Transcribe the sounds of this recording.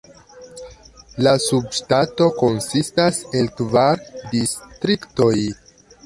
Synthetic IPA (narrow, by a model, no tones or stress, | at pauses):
lasubʃtato̞ko̞nsistase̞lkvaɾdistɾikto̞j